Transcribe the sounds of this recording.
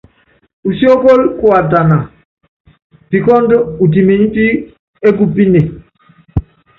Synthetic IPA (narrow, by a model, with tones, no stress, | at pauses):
u˨si˦o˦ko˦lku˨a˨da˨na˨ | pi˨kɔ˦ndo˦u˨ti˨mi˨n˦ti˦ | e˦ɡu˦bi˦ne˨